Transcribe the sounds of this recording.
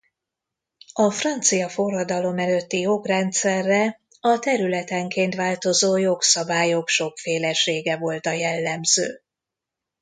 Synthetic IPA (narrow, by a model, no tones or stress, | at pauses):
ɒfrɒnt̪sijɒforːɒd̪ɒlo̞mɛløt̪ːijo̞krɛnt̪sɛrːɛ | ɒt̪ɛɾylɛt̪ɛŋkeːnt̪ʋvaːlt̪o̞zoːjo̞ksɒbaːjokʃo̞kfeːlɛʃeːɡɛvo̞lt̪ɒjɛlːɛmz̥ø̰ː